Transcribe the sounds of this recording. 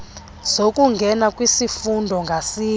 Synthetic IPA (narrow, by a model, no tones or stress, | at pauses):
z̥okʼuŋɡʱɛnakʼwisifundʱɔŋɡʱasiː